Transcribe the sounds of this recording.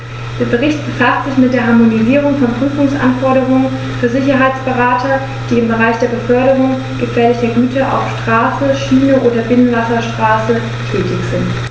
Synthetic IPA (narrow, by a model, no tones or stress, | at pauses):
d̥eːɐbəʁɪçt̚b̥əfastz̥ɪçmɪt̚d̥eːɐɦaɐmoniziːʁ̞ʊŋfɔnpʁ̥yːfʊŋsʔa̰nfɔɐɾəʁ̞ʊŋən | fyːɐzɪçɐɦaɪt͡sb̥əʁaːtʰɐ | d̥iːɪmbəʁaɪçd̥eːɐbəfœɐɾəʁ̞ʊŋ | ɡ̥əfeːɐlɪçɐɡyːtʰɐʔa̰ʊfʃtʁ̥aːsəʃiːnəʔoːdɐbɪnənvasɐʃtʁ̥aːsə | tʰɛːtɪçz̥ɪnt